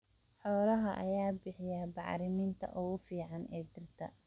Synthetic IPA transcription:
ħɔːlɐɦɐʔɐ̰jaːbɪħɪjabɑʕɾɪnɪːnt̪ʰɐ̰ʔʊɣʊfiːʕɑnɛːd̪ɪrt̪ʰɐ̰

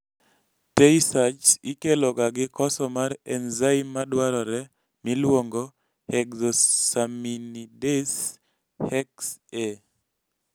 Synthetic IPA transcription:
teisat͡ʃikelɔɡaɡɪkɔsɔmaɾɛnzaimadwaɾɔɾɛ | mɪlwoŋɡɔ | hɛkzosaminides | hɛkse

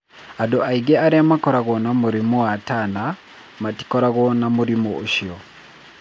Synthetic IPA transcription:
adoʔaiɡɛaɾeamakɔɾaɣɔnamoɾimoatana | mati̥kɔɾaɣɔnamoɾimooʃiɔ

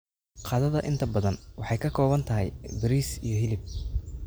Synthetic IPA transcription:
qɑːðɐðɐʔɪnt̪ʰɐbɐðɐnwɑħɑjkʰɐkʰɔːβɐnt̪ʰɐɦɛ̰jbɾiːsijɞɦɪlɪb̚

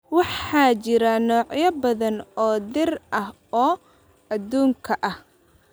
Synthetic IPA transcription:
wɑħɑːt͡ʃɪɾɐnɔːʕjɐbɐðɐnɔːd̪ɪrʔɐɦ | ɔː | ɐd̪uːŋkʰɐʔɐh

